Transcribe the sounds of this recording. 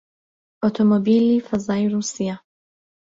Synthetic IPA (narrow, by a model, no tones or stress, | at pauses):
ʔɔt̪ʰɔmɔbiːlifazaːjɾuːsija